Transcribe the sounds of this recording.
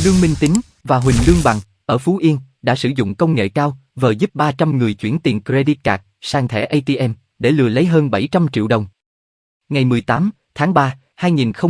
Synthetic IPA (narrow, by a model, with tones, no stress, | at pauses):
lɨ˧əŋmï˧ŋ̟t̪ï˨˦ŋ̟ | vaː˨˩ɦwï˨˩ŋ̟lɨ˧əŋɓa̰˧˨ŋ | ʔəː˧˩fu˨˦ʔi˧ən | ɗa̰ː˧˥sɨ˧˩zʊ̰˧˨ŋ͡mkə˧wŋ͡mŋḛ˧˨kaː˧wvəː˨˩zu˦˥p̚ɓaː˧t͡ɕa˧mŋɨ˨˩əjt͡ɕwḭ˧˩ənt̪ḭ˨˩ənkɾe˧ɗi˦˥t̚kaː˨˩k̚saː˧˩ŋt̪ʰɛ̰˧˩ʔə˧jt̪i˧ʔɛ˧m | ɗe˧˩lɨ̰˧˨ələ˨˦jɦəː˧nɓa˧˩jt͡ɕa˧mt͡ɕḭ˧˨wɗə˨˩wŋ͡m | ŋa˨˩jmɨ˨˩əjt̪aː˨˦m | t̪ʰaː˨˦ŋɓaː˧ | haː˧jŋi˨˩nxə˧w